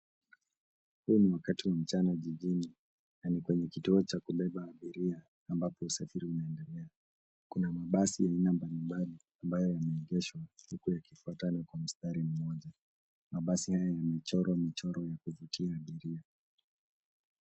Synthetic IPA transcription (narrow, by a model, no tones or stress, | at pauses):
huniwakatiwam̩t͡ʃanaʄiʄini | nanikwɛɲɛkituɔt͡ʃakuɓɛɓaːɓiɾiaː | mbapɔusafiɾiunaɛndɛlɛa | kunamaɓasijainambalimbali | ambajɔjamɛːʄɛʃwahukujakifuatanɔkwam̩staɾim̩mɔʄa | maɓasihajajamɛt͡ʃɔɾɔmit͡ʃɔɾɔjakuvutʰiaːɓiɾia